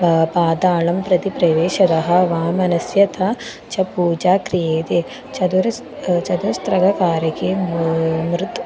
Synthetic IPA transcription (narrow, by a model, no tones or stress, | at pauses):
paːd̪aːɭɐmpɾɐt̪ipɾɐʋeːʃɐd̪ɐɦɐ̆ʋaːmɐnɐsjɐt̪ʰɐ | t͡ʃɐpuːd͡ʒaːkɾijeːt̪e | t͡ʃɐd̪uɾɐ | t͡ʃɐd̪ust̪ɾɐɡɐkaːɾjɐkeː | mɾut̪